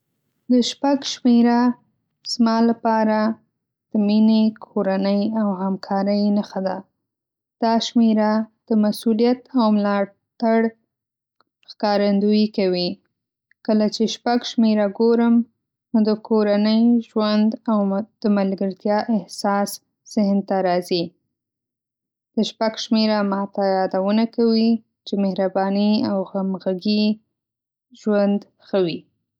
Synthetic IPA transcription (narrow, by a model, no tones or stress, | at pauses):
d̪əʃpaɡʃmeɾa | z̥mɑlapɑɾa | d̪̥əminekʰoɾanəjawhamkʰɑɾəjnaxad̪a | d̪̥ɑʃmeɾad̪̥əmasulijat̪awmlɑ | t̪aɽ | xkɑɾand̪ujkawi | kəlat͡ʃeʃpaɡʃmeɾaɡoɾəm | nod̪əkʰoɾanəjʒwand̪awd̪̥əmalɡəɾt̪jɑʔɪhsɑs | z̥ɪhnt̪aɾɑzi | d̪̥əʃpaɡʃmeɾamɑt̪ajɑd̪awənakawi | t͡ʃemehɾabɑniawɣamɣaɡi | ʒwand̪ | xawi